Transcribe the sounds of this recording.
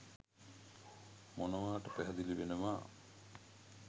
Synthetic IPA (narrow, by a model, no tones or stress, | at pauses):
mɔnɔʋaːʈɐpɛɦad̪ilibenema